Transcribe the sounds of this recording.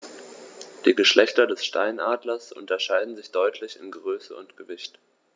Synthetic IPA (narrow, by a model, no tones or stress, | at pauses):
d̥iːɡəʃlʔɛçtɐdɛsʃta̰ɪnʔaːdlɐsʔʊ̰ntɐʃaɪdn̩zɪçd̥ɔʏtʰlɪçɪ̰nɡəʁøːsəʊ̰ntɡ̥əvɪçt